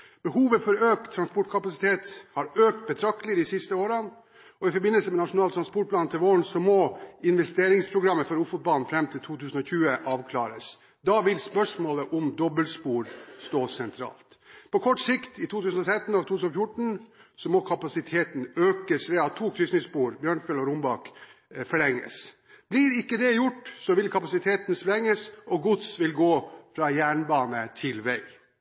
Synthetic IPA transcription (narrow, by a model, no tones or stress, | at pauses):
b̥əhuːʋəfɔɾøːk̚t̪ʰːɾɑnspɔʈkʰɑpɑsɪt̪ʰeːt̪hɑɾøːk̚t̪̚bət̪ʰɾɑkt̪əlɪd̪ɪsɪst̪əoːɾən | ɔʋɪfɔɾbɪnːəlsəmɛnɑʂʊnɑːlt̪ʰɾɑnspɔʈ̚pʰlɑːnt̪ʰɪlʋoːɳsɔmɔɪnʋɛst̪eːɾɪŋspʰɾʊɡɾɑmːəfɔɾʊfʊt̪̚bɑlnfɾɛmt̪ʰɪlt̪ʰuːt̪ʰʉːsn̩ɔçʉːəʔɑːʋkʰlɑ̰ːɾəs | d̪ɑːʋɪlspœʂmoːləʔʊmd̪ɔbːəlspuːɾst̪oːsɛnt̪ʰɾɑ̰ːlt̪pʰɔkʰɔʈsɪkt̪ɪt̪ʰuːt̪ʰʉːsən̩ɔt̪ʰɾɛt̪ːn̩ɑʋt̪ʰuːʉːsn̩ɔfjʊʈɳ̩sɔmɔkʰɑpɑsɪt̪ʰeːt̪n̩øːkəsʋɛːɑt̪ʰːuːkʰɾʏsnɪspuːɾbjœːɳfɛlɔɾʊmbɑkfɔɭɛŋːə̰s | b̥lɪɾɪkːəd̪ɛjʊʈːsɔʋɪlkʰɑpɑsɪt̪ʰeːt̪nsɔlɛŋːəsɔɡʊt̪sʋɪlɡoːfɾɑːjæːɳbɑːnət̪ʰɪlʋæɪ